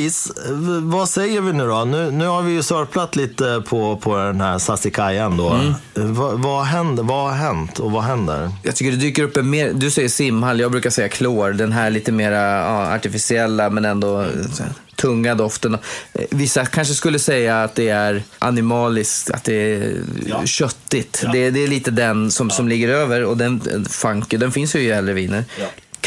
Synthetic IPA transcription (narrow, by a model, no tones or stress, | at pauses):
isvasɛjːəɾvɪnʉ̟ːd̪ɔnʉ̟ːnʉ̟ːhaɾvɪjɵsœɾplat̪liːt̪əpʰɔpʰɔd̪ɛnhæɾsasɪkʰajand̪ɔ̰vavaɦɛnd̪əvaɦɛnt̪ʰɔvaɦɛnd̪ə̰ɾjɑ̰ːɡt̪ʏkːəɖɛd̪yːkəɾɵpːɛnmeːɾd̪ɵsɛjːəʂɪmːhaljɑɡbɾʉ̟kasɛjːakʰloːɾɖ̪ɛnɦæːɭiːt̪əmeːɾaɑːa̰ʈɪfɪsɪɛlːamɛnɛnd̪ɔ | t̪ʰɵŋːad̪ɔft̪ənɔvɪsːakʰanʂ̬əskɵlːəsɛjːaːt̪̚d̪ɛæɾʔa̰nɪmɑːlɪskt̪a̰t̪̚d̪ɛæ | ɕœt̪ːɪt̪d̪ɛd̪ɛːɭiːt̪əd̪ɛnsɔmsɔmlɪɡːəɾøːvəɾɔd̪ɛnfaŋkəd̪ɛnfɪnsjɵjɛlːɾəviːnəɾ